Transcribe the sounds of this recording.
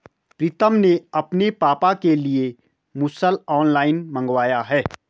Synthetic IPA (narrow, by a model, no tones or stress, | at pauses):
pɾɪt̪əmneɐpnepaːpakelie | mʊsəlɔːnlaːɪnmə̃ŋɡwaːjaɦɛː